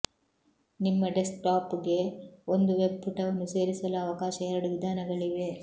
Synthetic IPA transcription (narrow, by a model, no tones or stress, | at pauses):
nimːɐɖesk̚ʈaːpuɡe̞ond̪uʋe̞bpuʈɐʋɐnːuse̞ːɾisɐlɐːʋɐkaːʃɐɛɾɐɽuʋid̪ʱaːnɐɡɐɭiʋe̞